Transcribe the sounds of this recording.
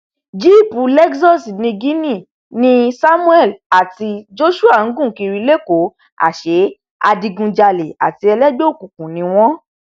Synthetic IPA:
d͡ʒi˦˨pu˨lɛ˦ksɔ˦˨si˨nĩ˧ɡi˦nĩ˦˨ | nĩ˦sa˦mũ˦ɛ˦˨la˨ti˧d͡ʒo˦ʃu˦a˦˨ŋ̩˦ɡũ˦˨ki˧ɾi˧˦le˦ko˨˦ | a̰˨ʃe˨˦ | a̰˧di˧ɡũ˧d͡ʒa˧le˨a̰˨ti˧ɛ˧lɛ˦ɡ͡bo˦˨kũ˨kũ˨˦nĩ˨˧w̃ɔ̃˦

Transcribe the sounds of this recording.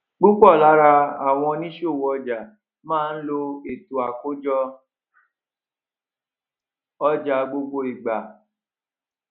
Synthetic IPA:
ɡ͡bu˦k͡pɔ˦˨la˨˦ɾa˧a˨w̃ɔ̃˧nĩ˦ʃo˦˨wɔ˧d͡ʒa˨ | mãː˦˧n̩˦lo˧e˨tu˨˦a˨ko˦d͡ʒɔ˦ | ɔ˦d͡ʒa˧˨ɡ͡bo˧ɡ͡bo˧i˨ɡ͡ba˨

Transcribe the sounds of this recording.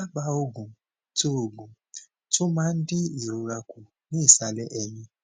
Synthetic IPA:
a˦ɡ͡ba˧o˦ɡũ˨ | to˦o˨ɡũ˨ | tʊ̃˦mã˦n̩˦dɪ˦i˨ɾu˨ɾa˧kʷu˨ | nĩ˦i˦˨sa˧lɛ˦ʔɛ˧ɲĩ˦

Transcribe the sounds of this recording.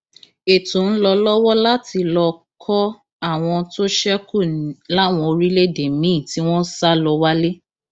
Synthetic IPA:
e˨tũ˨˦n̩˦lɔ˧lɔ˦wɔ˦la˦ti˧lɔ˧kʰɔ˦ | a˦˨w̃ɔ̃˧to˦ʃɛ˦ku˦˨nĩ˨˦la˦˨w̃ɔ̃˧o˧ɾi˦le˦de˨mĩ˨˦˨ti˨˦w̃ɔ̃˦sa˦lɔ˧wa˦le˦

